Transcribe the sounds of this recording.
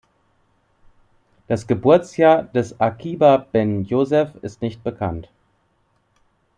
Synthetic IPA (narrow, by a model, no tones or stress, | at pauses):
d̥asɡ̥əbʊɐt͡sjaːdɛsakʰiːbabɛnjoːzɛfɪstnɪçt̚b̥əkʰa̰nt